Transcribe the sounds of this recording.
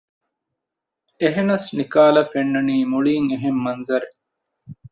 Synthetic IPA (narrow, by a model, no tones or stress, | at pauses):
eɦenɐsnikaːlɐfenːɐniːmuɭiːŋeɦemːɐnzɐɾe